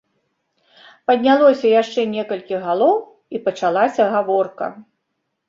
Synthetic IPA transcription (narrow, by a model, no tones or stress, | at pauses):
pɐd̪ʲnʲalˠɔsʲɐjaʂt͡ʂɛnʲɛkɐlʲkʲiɣalˠɔw | ipɐt͡ʂalˠasʲɐɣavɔrkɐ̰